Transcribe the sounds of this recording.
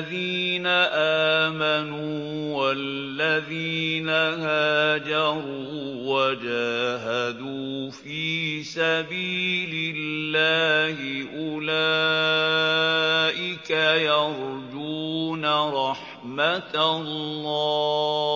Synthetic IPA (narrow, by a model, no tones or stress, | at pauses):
ðiːnaʔaːmanuː | wallːaðiːnahaːd͡ʒɑɾˤuːwad͡ʒaːɦad̪uːfiːsabiːlɪlːaːhɪʔʊla | ʔɪkajɑɾd͡ʒuːnaɾˤɑħ | mat̪lːɑː